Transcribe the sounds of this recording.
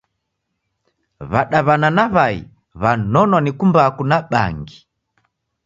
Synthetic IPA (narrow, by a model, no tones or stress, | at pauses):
βaɗaβananaβaḭ | βanɔnɔnikumbakunaɓa̰ŋɡi